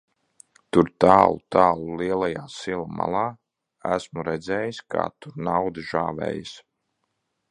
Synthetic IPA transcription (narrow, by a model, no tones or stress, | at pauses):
t̪uɾt̪aːlˠut̪aːlˠuliɛlˠajaːsilˠama̰lˠaː | æ̰smuɾɛd̪zɛːjiska̰ːt̪uɾnawd̪ɨʒaːvɛ̰ːjis